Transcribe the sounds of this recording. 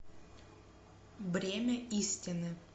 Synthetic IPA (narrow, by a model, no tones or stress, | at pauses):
vɾʲemʲəisʲtʲɪnɨ